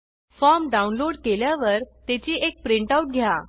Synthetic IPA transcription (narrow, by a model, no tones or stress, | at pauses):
fɔɾmɖaunloɽkeljaʋəɾt̪et͡ɕiːek̚pɾiɳʈauʈ̚ɡʱja